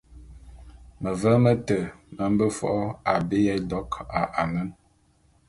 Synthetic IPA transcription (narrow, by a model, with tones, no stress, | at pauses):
mə˨və˦mə˦tə˨mə˨m̩˦bə˦fɔ̰˨ʔɔ˦a˨be˦jɛ˦dɔ˦ka˨ʔa˨nə˦n